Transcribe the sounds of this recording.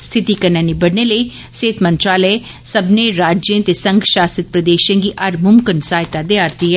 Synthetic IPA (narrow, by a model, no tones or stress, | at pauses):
st̪ʰɪt̪iːkəɾnãːnibəɽneːləi | seːt̪mə̃nt̪ɾaːləe | səbneːɾaːd͡ʒjə̃t̪eːsə̃ŋɡʃaːsət̪̚pɾəd̪eːʃə̃ɡiːʔɐɾmʊmkənsaːɦɪt̪ad̪eaːɾt̪iːɦɛː